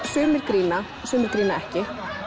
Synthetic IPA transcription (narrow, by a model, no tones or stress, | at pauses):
sʏːmɪɾ̥kɾiːna | sʏːmɪɾkɾiːnaɛhcɪ